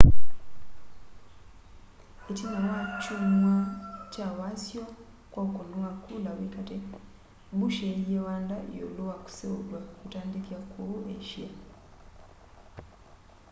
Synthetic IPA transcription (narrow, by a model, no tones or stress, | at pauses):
ecinonat͡ʃumwacawasjo | kokonwakʰulaβikate | βuʃeijewaːndajo̰luwaku̥seulwakutaːndikiakʰueʃia